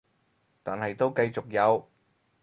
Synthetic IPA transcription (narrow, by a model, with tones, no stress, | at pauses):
t̪aː˨˩nɦɐ˨jt̪o˥wkɐ˧jt͡sʊ˨k̚jɐ˨˧w